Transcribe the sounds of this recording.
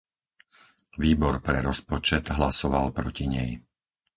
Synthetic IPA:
ʋiːbɔɾpɾɛɾɔspɔt͡ʃɛt̪ɦlasɔʋalpɾɔciɲɛ̰j

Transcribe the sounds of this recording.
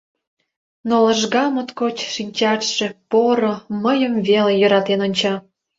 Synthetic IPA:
nolə̆ʒɣɑmot̪kot͡ɕʃinʲt͡ɕɑt̪ʃepoɾoməjəmvelejə̆ɾɑt̪enonʲt͡ɕɑ

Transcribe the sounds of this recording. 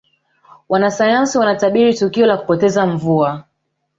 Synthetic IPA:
wanasajansiwanataɓiɾitukiɔlaku̥pɔtɛzaɱvua

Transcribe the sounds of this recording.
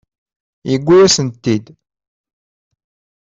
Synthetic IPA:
jəɡʷːijæsənt̪ːid̪

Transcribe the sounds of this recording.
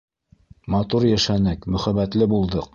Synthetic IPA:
mɑt̪uɾjæʃænɘkmɵ̆χæβæt̪lɘbulˠd̪ɤq

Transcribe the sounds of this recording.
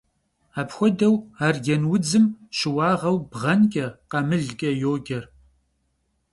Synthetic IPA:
aːpxʷɔdɐwaːrɡɛnwʊd͡zɨmʃɪwɑːʁɐwbʁɐnkʼɐqɐmɨɮɡʲʼɐjoːɡʲɐr

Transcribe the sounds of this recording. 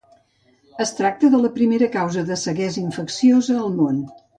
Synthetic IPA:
əst̪ɾak̚t̪əðələpɾimeɾəkawzəðəsəɣɛzəiɱfəksiozəːlˠmon

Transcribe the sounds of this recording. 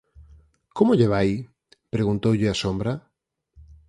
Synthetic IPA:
komʊʎeβ̞aj | pɾeɣunt̪owʎɪasombɾa

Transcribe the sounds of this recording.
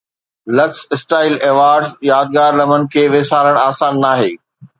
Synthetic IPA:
lɐksɪsʈaːɪlɛːʋaːɾɖzjaːd̪̚ɡaːɾlɐmənɪ̆kʰeːʋeːsaːɾəɽ̃aːsaːnːaːɦḛː

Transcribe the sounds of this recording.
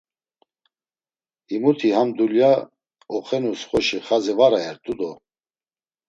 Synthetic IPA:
imut̪ʰihamd̪ulja | ɔχɛnusχɔʃiχazivaɾaɛɾt̪ʼud̪ɔ

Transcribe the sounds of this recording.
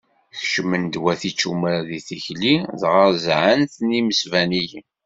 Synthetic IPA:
θʃəmənd̪wæθit͡ʃːumɾæðiθiçliðʁəɾzʕənθniməsvænij

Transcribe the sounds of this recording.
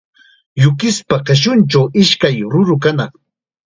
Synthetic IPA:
jʊkɪspaɢeʃ̬ʊnt͡ʃawɪʃkajɾʊɾʊk̬anɑχ

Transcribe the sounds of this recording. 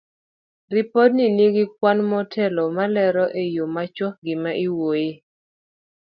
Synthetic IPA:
ripɔd̚nineɡɪk̚wanmɔtʰɛlɔmalɛɾɔʔejomat͡ʃwɔk̚ɡɪmaʔiwoje

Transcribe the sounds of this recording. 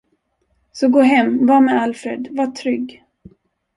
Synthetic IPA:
sɔɡoːɦɛmːvɑːmɛalfɾḛd̪vaʈʰɾʏɡː

